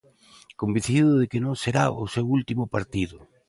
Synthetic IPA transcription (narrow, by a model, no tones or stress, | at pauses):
kombin̟θiðʊðekɪnõŋseɾaʊsewult̪imʊpaɾt̪iðʊ